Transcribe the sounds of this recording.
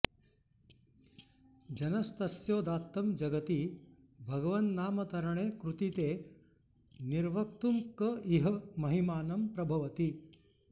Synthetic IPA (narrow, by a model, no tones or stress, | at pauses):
d͡ʒɐnɐst̪ɐsjoːd̪aːt̪ːɐmd͡ʒɐɡɐt̪i | bʱɐɡɐʋɐnnaːmɐt̪ɐɾɐɳeːkɾut̪it̪eː | niɾʋɐk̚t̪umkɐiɦɐmɐɦimaːnɐmpɾɐbʱɐʋɐt̪i